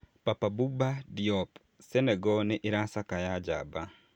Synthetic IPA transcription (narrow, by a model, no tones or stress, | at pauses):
papabubadiɔp | sɛnɛɡɔnɪʔɪɾasakajad͡ʒa̰ba